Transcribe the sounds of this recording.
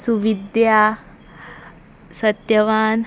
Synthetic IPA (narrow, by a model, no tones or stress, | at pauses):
suʋid̪ja | sət̪jəʋaːn